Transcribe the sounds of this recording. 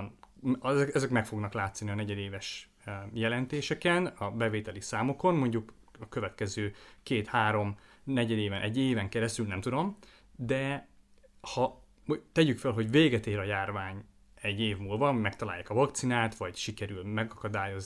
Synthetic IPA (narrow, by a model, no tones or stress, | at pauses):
n | ɛɛzɛkmɛkfo̞ɡnɒklaːt̪soniɒnɛɟɛd̪eːvɛʃ | jɛlɛnt̪eːʃɛkɛnɒbɛveːt̪ɛlisaːmo̞ko̞nmo̞ɲɟuk | ɒkøvɛt̪kɛzøːkeːt̪haːɾo̞m | nɛɟɛd̪eːvɛnʔɛɟːeːvɛŋkɛɾɛst̪ylnɛmt̪ud̪o̞m | d̪ɛ | hɒ | t̪ɛɟykfɛlɦo̞ɟveːɡɛt̪eːɾɒjaːrvaːɲ | ɛɟːeːvmuːlvɒmɛkt̪ɒla̰ːjːa̰ːkɒvɒkt̪sinaːt̪vɒɟʃikɛɾylmɛɡɒkɒd̪aːjo̞z